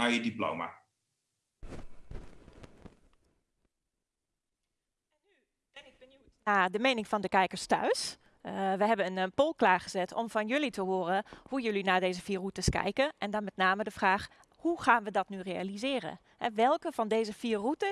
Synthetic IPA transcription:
ajədiplo̰wma̰ | y | nɪbə | naːdəmejnɪŋfɔndəkɛjkəɹstœ̰ɥs | ʋəɦɛbənənpolˠklaːχəzɛtʰɔmfɔnjølitʰəɦoːərəhujølinaːdeːzəfiːrutəskɛ̰jkəʔɛndɔnmɛtnaːmədəfraːx | huxaːnʋədɔtnyrea̰lizɪːrə̰ | hɛ̰ʋɛlˠkəfɔndeːzəfiːrrutə

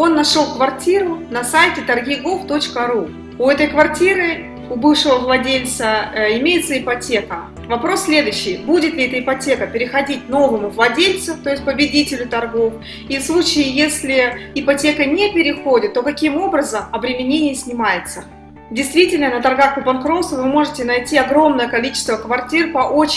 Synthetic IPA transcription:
o̞nːɐʂo̞lˠkvɐrtʲiɾʊnɐsajtʲɪt̪ɐrɡʲɪɡoft̪o̞t͡ɕkəɾu | ʊɛt̪əjkvɐrtʲiɾɨ | ʊbɨfʂɨvəvlˠɐdʲelʲt̪səɪmʲejɪt̪səɪpɐtʲe̞kə | vɐpɾo̞sːʲlʲe̞d̪ʊjɕːɪjbudʲɪt̪lʲɪɛt̪əɪpɐtʲe̞kəpʲɪɾʲɪxɐdʲitʲno̞vɨmʊvlˠɐdʲelʲt̪sɨft̪o̞ɪsʲtʲpəbʲɪdʲitʲɪlʲʊt̪ɐrɡo̞f | ifslˠut͡ɕɪːjesʲlʲɪɪpɐtʲe̞kənʲepʲɪɾʲɪxodʲɪt̪ːo̞kɐkʲimo̞bɾəzəmɐbɾʲɪmʲɪnʲenʲɪjəsʲnʲɪmajɪt̪sə | dʲɪjst̪vʲitʲɪlʲnənət̪ɐrɡakəpɐnkɾosʊvɨmo̞ʐɨtʲɪnɐjtʲiɐɡɾo̞mnəjəkɐlʲit͡ɕɪst̪vəkvɐrtʲirpɐʔot͡ɕ

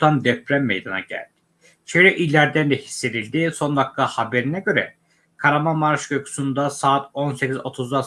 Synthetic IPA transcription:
t̪ʰand̪ɛpɾæmːejd̪ana̰ɟæ̰lʲd̪̥ɪ̥ | t͡ʃʰeɾɛʔilʲæɾd̪ænd̪ɛhi̥sːe̞d̪ilʲd̪ɪso̞nvak̚t̪ʰahabe̞ɾinɛɟø̞ɾɛ̰ | kʰaɾamamaɾʃɟokʰu̥sund̪asaːt̪ʰo̞nsecizo̞t̪ʰuzd̪a

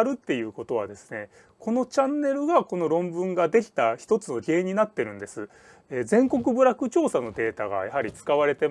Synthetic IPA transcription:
ɾɯ̟t̪ːe̞jɯ̟ːko̞t̪o̞βa̰d̪e̞sɨ̥ne̞ | kʰo̞no̞t͡ɕãnːe̞ɾɯ̟ɡako̞no̞ɾõ̞mbɯ̟̃ŋɡad̪e̞kʲi̥t̪açi̥t̪o̞t͡sɨno̞ɡʲeːɲ̟inat̪ːe̞ɾɯ̟̃nd̪e̞sɨ | ed͡zẽ̞ŋkokɯ̟bɯ̟ɾakɯ̟t͡ɕo̞ːsano̞d̪e̞ːt̪aɡa̰jaɦaɾʲit͡sɨ̥kaβ̞aɾe̞t̪e̞

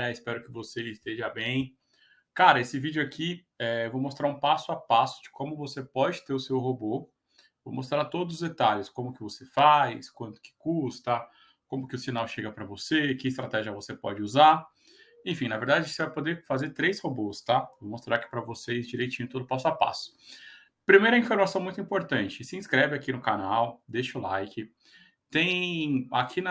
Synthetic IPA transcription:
aɪspɛɾʊkɪvoseɪst̪eʒɐbẽj̃ | kaɾɐesɪvid͡ʒʊakʰi | ɛvomost̪ɾaɾũpasʊapasʊ̥d͡ʒɪkʰõmʊvosepɔd͡ʒɪt̪eɾʊsewɦobo | vo̰wmost̪ɾaɾt̪od̪ʊzʊzd̪et̪aʎɪskõmʊkɪvosefajskwɐ̃nt̪ʊ̥kɪ̥kust̪ɐ | kõmʊkɪʊsinawʃeɡɐpɾɐvosekɪs̬t̪ɾat̪ɛʒiɐvosepɔ̰d͡ʒɪuzaɾ | ẽfĩnɐveɾd̪ad͡ʒɪsɪvajpod̪efazeɾt̪ɾejshobost̪avomost̪ɾaɾki̥pɾɐvosezd͡ʒiɾejt͡ʃĩɲʊt̪od̪ʊpasapa̰sʊ̥ | pɾimejɾɐĩfoɾmasɐ̃w̃mũj̃t̪ʊĩpoɾt̪ɐ̃t͡ʃɪsɪĩskɾɛvɪakinʊkanawd̪eʃɐʊlajkɪ | t̪ẽj̃akʰinɐ

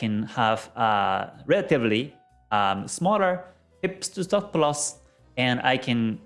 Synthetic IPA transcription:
kɨ̃nhəv̥ʌɹɛləɾɨvli | ʌmsmɔlˠə˞ | hɪpstʰɨstʌfplʌs | ɨ̃na̰ɪkʰɨ̃n

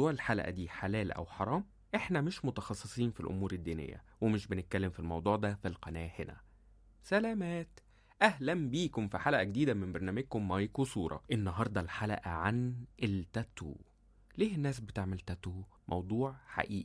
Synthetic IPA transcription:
uːʕelħalæ̰ʔæ̰d̪iːħalæːlʔæ̰wħɑɾˤɑːm | ʔeħnæmeʃmot̪ɑxɑsˤːesˤiːnfilʔo̰muːɾed̪ːiːnḛjːæ̰wemeʃbenet̪̚kælːemfilmɑwd̪ˤuːʕd̪æfilqɑnæːhenæ̰ | sælæːmæːt̪ | ʔæhlæmbiːkomfiħalæʔæɡed̪iːd̪æmembɑɾˤnæːmeɡ̚komːɑjkusˤuːɾˤɑ̰ʔenːɑɦɑɾˤd̪ˤɑlħalæ̰ʔæʕanʔelt̪æt̪ṵː | liːhenːæːs̬bet̪eʕmelt̪æt̪uː | mʔɑ̰wd̪ˤuːʕħa̰ʔiːʔ

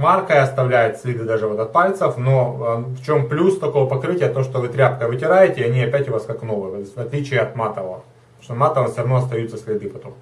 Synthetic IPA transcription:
markəjɐst̪ɐvlʲæjʊt̪sʲlʲid̪ɨd̪aʐɨvo̞t̪ɐt̪̚palʲt̪səfno̞ft͡ɕo̞mplʲust̪ɐko̞vɐpɐkɾɨtʲɪjət̪oʂt̪ovɨt̪ɾʲapkəvɨtʲɪɾajɪtʲɪɐnʲiɐpʲætʲjʊvaskaknovɨvɐvɐt̪lʲit͡ɕɪjəɐt̪mat̪əvə | oʂt̪mat̪əvənsʲoɾɐvnoɐst̪ɐjut̪səsʲlʲɪd̪ɨpɐt̪o̞m

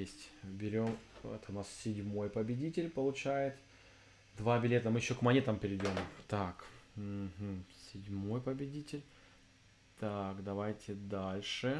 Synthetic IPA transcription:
esʲtʲbʲɪɾʲo̞mɛ̰t̪ənassʲɪdʲmo̞jpəbʲɪdʲitʲɪlʲpəlˠʊt͡ɕæjɪt̪ | d̪vabʲɪlʲe̞t̪əmɨjɪɕːo̞kmɐnʲe̞t̪əmpʲɪɾʲɪdʲo̞mt̪akm̩ɦm̩sʲɪdʲmo̞jpəbʲɪdʲitʲɪlʲ | t̪akd̪ɐvajtʲɪd̪alʲʂɨ

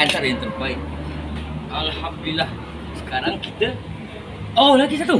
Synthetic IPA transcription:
ant̪arjaŋt̪ərbaɪt̪̚ | ʔalhamd̪ulilːah | sə̥kaɾaŋkit̪ə | olakisat̪u

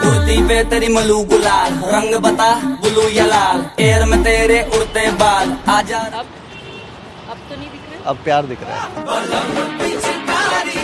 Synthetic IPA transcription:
kʊɾt̪iːpeːt̪eɾimɐluːɡʊlaːlɾəŋɡbət̪aːbʊluːjɐlaːleːɾmɛt̪eːɾeːʔʊɽt̪eːbaːlaːd͡ʒaːɾ | kː | ɐbpjaːɾd̪ɪkʰɾḛː

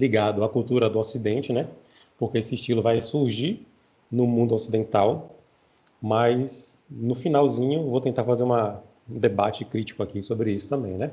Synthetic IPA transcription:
liɡad̪ʊakuwt̪uɾɐd̪ʊosid̪ẽnt͡ʃɪnɛ | pʊɾkeesɪiʃt͡ʃilʊvajsuɾʒiɾ | nʊmũnd̪ʊosid̪ẽnt̪aw | mɐjsnʊfinawzĩɲʊvowt̪ẽnt̪aɾfazeɾũmɐ | ũd̪ebat͡ʃɪkɾit͡ʃi̥kʊakisobɾɪisʊ̥t̪ɐ̃mbẽj̃nɛ

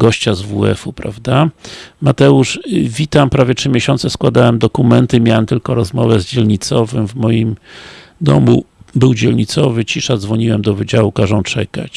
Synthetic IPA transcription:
ɡɔɕt͡ɕazvuɛ̰fupɾa̰vd̪amat̪ɛuʂvʲit̪ampɾavʲjɛtʂɘmʲjeɕɔnt̪sɛskwad̪awɛmd̪ɔkumɛnt̪ɘmʲjawɛmt̪ɘlkɔɾɔzmɔvɛzd͡ʑɛlɲit̪sɔvɘmvmɔjim | d̪ɔ̰mṵbɘwd͡ʑɛlɲit̪sɔvɘt͡ɕiʂad̪zvɔɲiwɛmd̪ɔvɘd͡ʑawukaʐɔ̃w̃t͡ʂɛka̰t͡ɕ

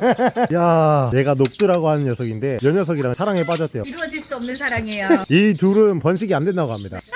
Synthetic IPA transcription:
jane̞ɡanok̚t͈ɯɾaɡoɦanɯnjʌsʰʌɡinde̞jʌɲʌs̬ʰʌɡiɾaŋsʰaɾaŋɦep̬͈ad͡ʑʌt͈ʰe̞joiɾʌd͡ʑiɭs͈uʌmnɯnsʰaɾaŋejaituɾɯnpʌnɕ̬ʰiɡiandwe̞ndaɡoɦamɲida̰

